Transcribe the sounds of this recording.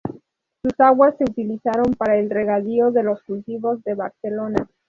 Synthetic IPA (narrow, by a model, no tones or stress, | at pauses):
susaɣwasːe̞ut̪ilisaɾo̞mpaɾaelre̞ɣaðio̞ðe̞lo̞skult̪iβo̞zðe̞βaɾse̞lo̞na